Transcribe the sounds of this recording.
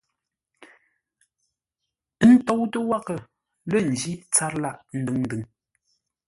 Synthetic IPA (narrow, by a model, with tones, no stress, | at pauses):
n̩˦tɔ˦wtə˦wa˦kə˨ | lə˦˨n̩˨d͡ʒi˦t͡sa˦ɾla˦ʔn̩˦dɨ˨˦ŋn̩˦dɨ˨ŋ